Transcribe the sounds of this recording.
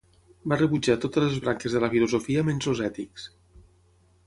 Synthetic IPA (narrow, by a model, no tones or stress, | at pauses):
barəβud͡ʒat̪ot̪ələzβɾaŋkəzðələfiluzofiəmenzozɛt̪iks